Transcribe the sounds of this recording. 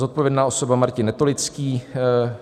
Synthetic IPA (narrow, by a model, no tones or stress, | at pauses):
zot̪̚povjɛdnaːo̞so̞bamaɾcɪnːɛt̪olɪt͡skiː